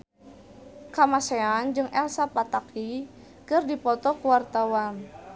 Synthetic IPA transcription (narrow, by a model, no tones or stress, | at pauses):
kamaseand͡ʒɨŋʔɛlsapat̪aki | kɨrdipɔt̪ɔkuwart̪awan